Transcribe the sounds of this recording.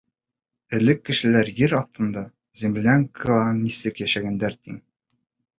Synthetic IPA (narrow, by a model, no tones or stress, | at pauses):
ɘ̆lɘkːɘ̆ʃɘ̆læɾjɘɾɒθt̪ɤ̆nd̪ɑ | zʲĕmlʲaŋkʰɑnnisɘkjæʃæɡænd̪æɾt̪iŋ